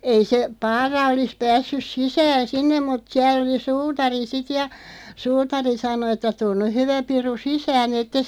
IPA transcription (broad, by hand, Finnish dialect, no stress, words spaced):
ei se pɑːrɑ olis pæːsːys sisæːn̞ sinːem mut siæl oli suːtɑri sit jɑ suːtɑri sɑno ĕtːæ tun nyh̆ hyʋæ piru sisæːn etːes